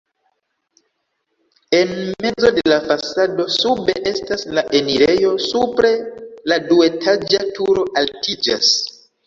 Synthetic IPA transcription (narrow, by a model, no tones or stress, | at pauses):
e̞nme̞d͡zo̞de̞lafasado̞sube̞ʔe̞staslaʔe̞niɾe̞jo̞supɾe̞ladue̞tʰad͡ʒatuɾo̞ʔaltʰid͡ʒa̰s